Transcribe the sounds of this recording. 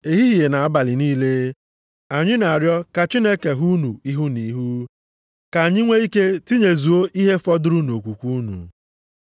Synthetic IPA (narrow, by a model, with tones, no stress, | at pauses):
e˨ɦi˦ɦi˨e˨na˨a˦ba˨lɪ˨niː˦le˦ | a˨ɲɪ˦na˨a˨ɾjɔ˦ka˨t͡ʃi˦ne˦ke˨ɦu˦nu˨i˦ɦu˦ni˨˦ɦu˦ | ka˨ɲɪ˦ŋʷe˦i˦ke˦ti˦ɲe˨zu˨o˦ʔi˦ɦe˦fɔ˦dʊ˦ɾu˦no˨kʷu˨kʷu˦nṵ˨